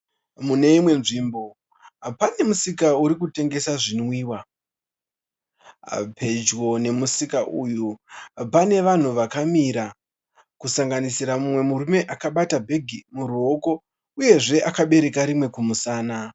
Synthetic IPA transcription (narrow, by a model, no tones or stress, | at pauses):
mune̞imwe̞nʐiːmbo̞ | pane̞musikauɾikute̞ŋɡe̞saʐinwiːwa | pʰe̞d͡ʒo̞ne̞musikaʔujupane̞ʋan̤uʋakamiɾa | kusaŋɡanisiɾamumwe̞muɾume̞ʔakaɓatabʱe̞ɡʱimuɾuɦo̞ko̞ | uje̞ʐe̞ʔakaɓe̞ɾe̞kaɾimwe̞kumusaːna